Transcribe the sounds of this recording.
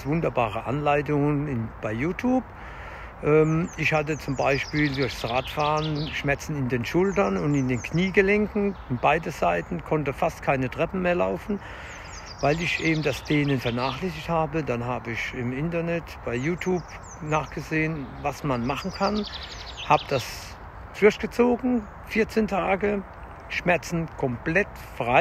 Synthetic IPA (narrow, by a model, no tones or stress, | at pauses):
sv̥ʊndɐbaːʁəʔa̰nlaɪtʊŋənɪnb̥aɪjuːtʰjuːp | ʔɛːmɪçhatət͡sʊmbaɪʃpiːldʊɐçd̥sʁaːtfaːʁənʃmɛt͡sn̩ɪndeːnʃʊltɐnʊntɪndeːnkniːɡəlɛŋkŋ̩ɪnbaɪdəzaɪtn̩kʰɔntəfastkʰaɪnətʁ̥ɛpn̩meːɐlaʊfn̩ | vaɪlɪçʔeːbm̩dasd̥eːnənfɛɐnaːχlɛsɪçthaːbədanɦaːbəɪçɪmɪntɐnɛtb̥aɪjuːtʰjuːp | naːχɡ̥əzeːənvasmanmaχn̩kʰan | haːbəd̥as | fʊɐçtɡ̥ət͡soːɡŋ̩ | fɪɐt͡seːntʰaːɡə | ʃmɛɐt͡sn̩kʰɔmplɛt | fʁ̥aɪ